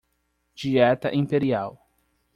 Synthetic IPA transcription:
d͡ʒiɛt̪ɐ̰ʔĩpeɾiaw

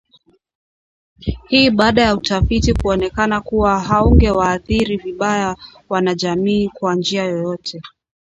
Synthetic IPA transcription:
hiːɓaːɗajautafitikuɔnɛkanakuwaɦauŋɡɛwaːθiɾiviɓajawanaʄamiːkwand͡ʒiajɔjɔtʰɛ

